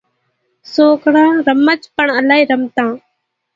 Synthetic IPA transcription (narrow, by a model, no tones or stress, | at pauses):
soːkɽãːɾəmət͡ʃpəɳəlaːiːɾəmt̪ãː